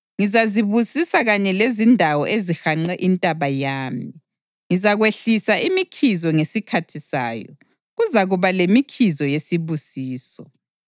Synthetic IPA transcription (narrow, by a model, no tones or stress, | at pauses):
ŋizaziβusisaɣaɲɛlezindʱawɔʔezixaŋ͡ǃɛʔintʼaβajaːmi | ŋizaɣweɬisaimikʰizɔŋesikʰatʰisa̰ːjɔ̰ | ɣuzaɣuβalemikʰizɔjesiβusiːsɔ